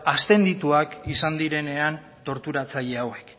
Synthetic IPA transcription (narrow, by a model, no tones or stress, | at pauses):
ast̪e̞nd̪it̪uakisand̪iɾe̞ne̞an | t̪o̞ɾt̪uɾat͡saʎe̞awe̞k